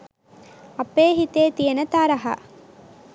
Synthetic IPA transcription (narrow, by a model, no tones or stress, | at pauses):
ɐpːeːɦit̪eːt̪ijɐnɐt̪aːɾɐɦɐ̰